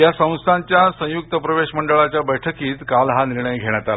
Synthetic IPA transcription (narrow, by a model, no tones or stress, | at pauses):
jasə̃w̃st̪ʰaɲt͡ɕjasə̃juk̚t̪əpɾəʋeɕməɳɖəɭat͡ɕjabəjʈʰəkiːt̪kalɦaniɾɳəjɡʱeɽ̃at̪al